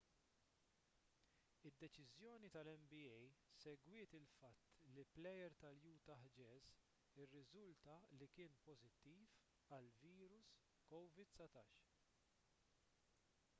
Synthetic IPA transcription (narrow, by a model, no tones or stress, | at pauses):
ɪd̪ːɛt͡ʃɪzjɔːnit̪ɐlɛmbiɛjsɛɡwɪːt̪ɪlfɐt̪ːliplɛjɛɾt̪ɐljuːt̪ɐħd͡ʒɛːz | ɪrːɪzʊlt̪ɐlikɪːnpɔzɪt̪ːiːf | ɐlviːɾʊs | kɔwvɪd̪sɐt̪ɐːʃ